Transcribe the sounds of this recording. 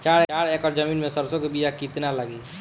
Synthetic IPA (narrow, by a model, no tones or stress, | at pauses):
t͡ʃaɾt͡ʃaɾekəɾd͡ʒəminmesəɾsõkebid͡ʒakit̪naləɡi